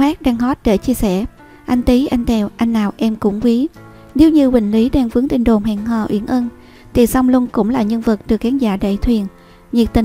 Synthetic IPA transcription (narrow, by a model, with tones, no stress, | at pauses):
aː˦˥k̚ɗaː˧ŋɦɔ˦˥t̚ɗe˧˩t͡ɕi˧əsɛ̰˧˩ | ʔa˧jŋ̟t̪i˨˦ʔa˧jŋ̟t̪ʰɛ˨˩wʔa˧jŋ̟naː˨˩wʔɛ˧mkʊ̰˧˥ŋ͡mkwi˨˦ | ne˨˦wɲɨ˧wï˨˩ŋ̟li˨˦ɗaː˧ŋvɨ˨˦əŋt̪i˧˩n̟ɗo˨˩mɦɛ̰ː˧˨ŋɦɔ̰˧˩ʔwḭ˧˩ənʔəː˧n | t̪ʰi˨˩sa˧wŋ͡mlʊ˧ŋkʊ̰˧˥ŋ͡mlaː˨˩ɲə˧nvɨ˨˩k̚ɗɨ˨˩ək̚ːaː˨˦ŋzaː˧˩ɗə̰˧˩jt̪ʰwi˨˩ən | ɲi˨˩ək̚t̪i˨˩